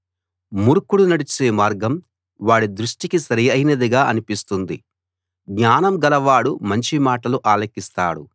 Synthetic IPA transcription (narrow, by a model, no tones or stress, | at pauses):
muɾkuɽunɐɽit͡ʃeːmaːɾɡɐm | ʋaːɽid̪ɾuʂʈikisɐɾɐjɐjnɐd̪iɡaːʔɐnipist̪und̪i | ɡɲaːnɐmɡɐlɐʋaːɽumɐɲt͡ʃimaːʈɐluʔaːlɐkːist̪aːɽṵ